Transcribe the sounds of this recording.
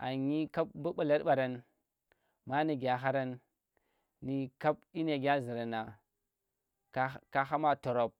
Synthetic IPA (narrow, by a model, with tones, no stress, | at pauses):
a˨ɲi˦ka˦b̚bu˦ɓa˨la˦ɾɓa˨ɾa˨n | ma˦ni˨ɡʲa˨ɦa˦ɾa˦nː | i˨ka˦p̚ɗi˦n˦a˨ɡʲa˦zi˨ɾa˨na˨˦ | ka˦ɦa˦ma˦to˨ɾo˨p̚